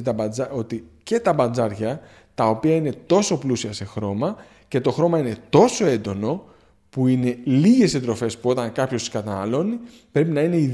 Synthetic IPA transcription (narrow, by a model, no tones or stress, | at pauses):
t̪ɐbɐd͡zɐo̞t̪ice̞t̪ɐbɐnd͡zɐɾʝɐ | t̪ɐo̞piɐine̞t̪o̞so̞plusiɐse̞xɾo̞mɐ | ce̞t̪o̞xɾo̞mɐine̞t̪o̞so̞e̞nd̪o̞no̞ | puine̞liʝe̞set̪ɾo̞fe̞spuo̞t̪ɐŋkɐpço̞sikɐt̪ɐnɐ̰lo̞ni | pɾe̞pinɐine̞i